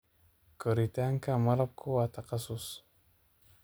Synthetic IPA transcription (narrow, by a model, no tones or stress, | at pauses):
kəɾit̪aaŋkamaɾap̚kʰowat̪akasʊs